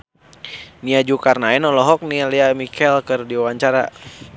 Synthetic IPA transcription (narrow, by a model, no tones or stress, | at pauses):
niad͡ʒukarnaɛnɔlɔɦɔk̚nialiamikʰɛlkərdiawaɲt͡ʃaɾa̰